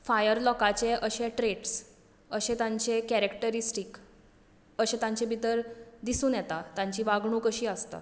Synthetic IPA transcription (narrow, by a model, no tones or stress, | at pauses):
fajəɾlɔkat͡ɕeʔəɕeʈɾeʈs | əɕẽt̪ãɲt͡ɕekɛɾekʈəɾisʈik | əɕẽt̪ãɲt͡ɕebʱit̪əɾd̪isuːnjɛt̪at̪jãɲt͡ɕiːʋaɡɳ̃uːkəɕiːəst̪a̰